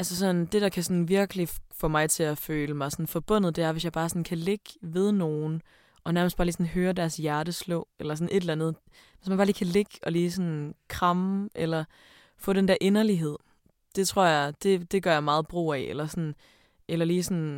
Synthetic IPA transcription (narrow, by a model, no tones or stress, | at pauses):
ʔælsəsɒ̽nd̥e̝ɾɑ̈kʰæsɒ̽nʋiɐɡ̥əlifɔ̽mɑ̈ɪt͡sʰe̝æføːləmɑ̈ɪsɒ̽nfɒ̽b̥ɔ̽n̰ð̩ˠd̥e̝æɐʋe̝sjɑ̈ɪbɑːsɒ̽nkʰæle̝ɡ̥ʋeð̞ˠno̝ːn̩ | ʔɒ̽næɐməsd̥ɑːliːsn̩ɦøːɐd̥æɐsjæɐɾ̥əslɔʊelɐsɒ̽ne̝d̥elænð̞̩ˠ | ʋesmænb̥ɑːliːkʰæle̝ɡ̥ɒ̽liːsɒnkʰʁɑ̈mʔelɐ | fɔ̽ːd̥end̥æɐʔe̝nɐliɦe̝ð̞̰ˠ | d̥e̝t͡sʰʁo̝ɐ̰jɑ̈ɪd̥e̝d̥e̝ɡ̥ɶɐjɑ̈mɑ̈ːð̞̩ˠb̥ʁo̝̰ːæelɐsɒn̩ | ʔelɐliːsɒn